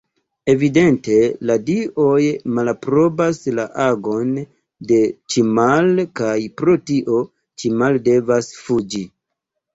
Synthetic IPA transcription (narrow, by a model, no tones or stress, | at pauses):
e̞vide̞nte̞ladiʔo̞jmalpɾo̞baslaʔaɡo̞n | de̞t͡ʃimalkajpɾo̞tiʔo̞ | t͡ʃimalde̞vasfud͡ʒi